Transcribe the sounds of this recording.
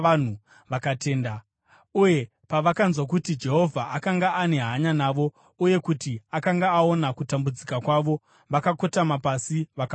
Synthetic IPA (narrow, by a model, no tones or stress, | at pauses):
an̤u | ʋakate̞ːnda | uje̞ | paʋakanzwak̬utid͡ʒe̞ɦo̞vʱaʔakaŋɡaːne̞ɦaɲanaːʋo̞ | uje̞kutiakaŋɡaːo̞nakutambud͡zikakwaʋo̞ | ʋakako̞tamapasiʋaka